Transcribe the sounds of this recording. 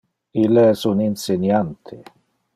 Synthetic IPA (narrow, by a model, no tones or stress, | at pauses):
ilːesuninsenjant̪ʰe